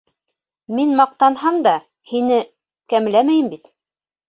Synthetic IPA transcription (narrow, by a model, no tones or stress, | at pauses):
minmɑq̚t̪ɑnhɑmd̪ɑ | hinɘ | kæmlæmæjɘmbit̪